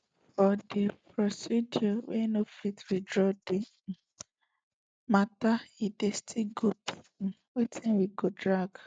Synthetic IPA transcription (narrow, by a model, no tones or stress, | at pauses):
fɔdepɾɔsidɔwenofitɾidɹɔde | mataidestʰiɡot | wetʰĩnwiɡodɹaɡ